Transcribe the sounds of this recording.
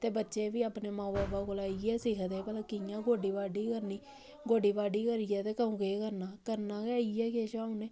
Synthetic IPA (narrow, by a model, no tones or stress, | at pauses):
t̪eːbətːʃeːbiːaːpneːmãːbaːbaːɡʊlaːiːɛːsɪkʰt̪eːbəlakɪjãːɡoːɖiːbaːɖiːkəɾniː | ɡoːɖiːbaːɖiːkəɾijɛːt̪eːkəũːkeːkəɾnaːkəɾnaːkaːiːɛːkeːʃaːũːneː